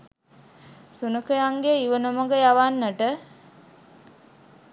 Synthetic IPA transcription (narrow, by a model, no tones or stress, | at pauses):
sunəkəjaŋɡeiʋənəməɡəjaʋanːəʈə